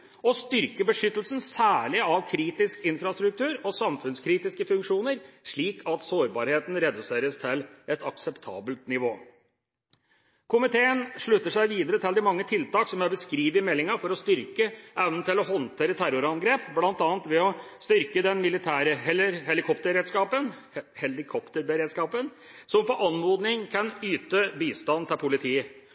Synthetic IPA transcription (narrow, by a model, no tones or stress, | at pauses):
ɔst̪ʏɾkəbəʂʏt̪ːəl̩sən̩sæːɭɪɑʋkʰɾiːt̪ɪskɪnfɾɑst̪ɾʉk̚t̪ʰʉːɾɔsɑmfʉnskʰɾiːt̪ɪskəfʉŋkʂuːnəɾʂɭiːkʰɑt̪soːɾbɑːɾheːt̪n̩ɾɛd̪ʉseːɾəst̪ʰɪlɛt̪ɑksɛpt̪ʰɑ̰ːbəlt̪nɪʋo̰ː | kʰʊmɪt̪ʰeːənʂɭʉt̪ːəʂæɪʋiːd̪əɾət̪ʰɪld̪ɪmɑŋːət̪ʰɪlt̪ɑːksɔmæɾbəskɾiːʋɪmɛlːɪŋɑfɔɾɔst̪ʏɾkəʔɛʋnn̩t̪ɪlɔɦɔnt̪ʰeːɾət̪ʰæɾʊɾɑnɡɾeːpblɑnt̪ɑːənt̪ʋɛɔst̪ʏɾkəd̪ɛnmɪlɪt̪ʰæːɾəɦɛlɪɾhɛlɪkʰɔp̚t̪əɾeːd̪skɑːpən | hɛlɪkʰɔpt̪əɾbəɾeːd̪skɑːpən | sɔmfɔʔɑnmoːd̪nɪŋkʰɑnyːt̪əbiːst̪ɑnt̪ʰɪlpʰʊlɪt̪ʰiː